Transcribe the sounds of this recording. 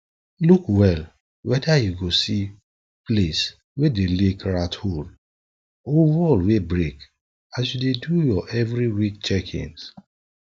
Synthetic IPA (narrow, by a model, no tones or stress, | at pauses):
lukwɛl | wɛdajuɡosi | ples | wedelekɹathol | owɔlwebɹek | as̬judedujɔʔɛvɹiwik̚t͡ʃɛkʰḭ̃ŋs